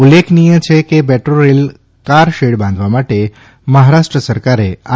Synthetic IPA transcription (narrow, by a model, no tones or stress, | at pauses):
ulːekʰnijə̃t͡ʃʰekebɛʈɾoɾel | kaɾʃeɽbãnd̪ʱʋamaʈe | məɦaɾaʃʈɾəsəɾkaɾea